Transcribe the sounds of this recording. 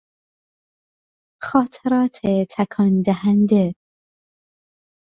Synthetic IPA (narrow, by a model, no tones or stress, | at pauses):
xɒːt̪ʰeɾɒːt̪ʰet̪ʰækʰɒːnd̪æɦænd̪e